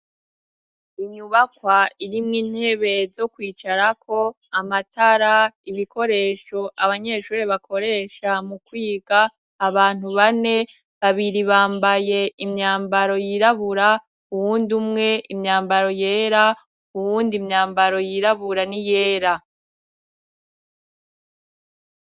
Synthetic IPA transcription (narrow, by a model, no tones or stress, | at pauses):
iɲuβakwaiɾimŋiːn̥he̞βe̞zo̞kwiːt͡ʃaɾakʰo̞ | amataɾaiβikʰo̞ɾe̞ːʃo̞aβaɲe̞ʃuːɾeβakʰo̞ɾe̞ːʃamukwiːɡaː | βaːn̥uβane̞ | βaβiɾiβaːmbaje̞imɲaːmbaɾo̞jiɾaβuɾa | uβuːndumŋe̞ʔimɲaːmbaɾo̞je̞ːɾa | uwuːndimɲaːmbaɾo̞jiɾaβuɾanije̞ːɾa